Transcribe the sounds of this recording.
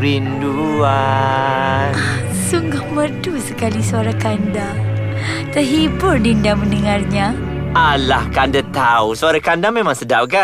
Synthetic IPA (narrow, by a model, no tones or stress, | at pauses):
ɾindua | suŋɡʊhmədusəkalisuaɾakanda | t̪əɦibʊrdindamənəŋarɲa | alahkandat̪ausuaɾakandamemãŋsədap̚ka